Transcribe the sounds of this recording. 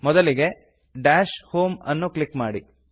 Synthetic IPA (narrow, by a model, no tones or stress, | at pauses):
mɔd̪ɐliɡe̞ | ɖaːʃhoːmɐnːuklikmaːɽi